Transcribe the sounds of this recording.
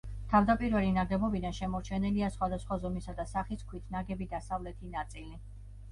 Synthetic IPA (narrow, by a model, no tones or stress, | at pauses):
t̪ʰavd̪apʼiɾvɛlinaɡɛbɔbid̪anʃɛmɔɾt͡ʃʰɛnɛliasχwad̪asχwazɔmisad̪asaχiskʰwit̪ʰnaɡɛbid̪asavlɛt̪ʰinat̪sʼili